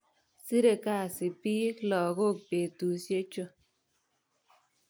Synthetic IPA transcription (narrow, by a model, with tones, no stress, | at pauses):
si˦ɾe˨ka˦˨si˨pi˦klɔ˨ɡo˦˨k̚pe˨t̪u˨sje˦t͡ʃo˦